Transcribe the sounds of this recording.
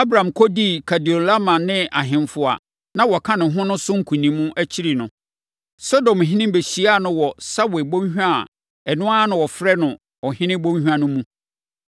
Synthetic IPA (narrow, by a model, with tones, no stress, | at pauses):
a˦bɾã˨mkʰɔ˦di˦kʰa˨di˨o˨la˦mã˨nɪ̃˦ʔa˨ɦɪ̃˨mfʊ˨a̰˨ | nã˦wɔ˨kʰã˦nʊ̃˨ɦʊ̃˦nʊ̃˦sʊ̃˦ŋ̩˦kʰũ˨nĩ˨mːũ˦ʔæ˦t͡ɕʰi˦ɾi˨nʊ̃˨ | sɔ˦dɔ̃˨mɦɪ̃˦nɪ̃˦m˦be˨ɕi˨˦a˦˨nʊ̃˦wɔ˨sa˦we˨bõ˦ɲ˦hᶣu˦a˨ | ɛ˨nʊ̃˦a˦nʊ̃˨wɔ˨fɾɛ˦nʊ̃˨ | ɔ˨hɪ̃˦nɪ̃˦bõ˦ɲ˦hᶣu˦ã˦nʊ̃˦mũ˦